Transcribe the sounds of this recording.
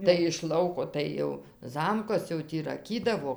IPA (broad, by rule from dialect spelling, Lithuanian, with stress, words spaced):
tɐɪ ɪʃ ˈlˠɐʊkoː ˈtɐɪ jɛʊ ˈzɐmkɐs jɛʊ ˈtʲiː rɐˈkʲiːdɐʋoː